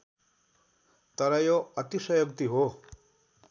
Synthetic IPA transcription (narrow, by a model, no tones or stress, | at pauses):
t̪ʌɾʌjoʌt̪isʌjok̚t̪iɦo